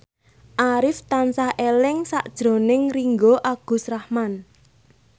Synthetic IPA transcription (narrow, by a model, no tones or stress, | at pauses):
ʔaɾɪft̪ansahʔelɪŋsa̰ʔd̥ʒ̥ɾo̤nɪŋriŋɡoʔaɡ̥ṳsrahman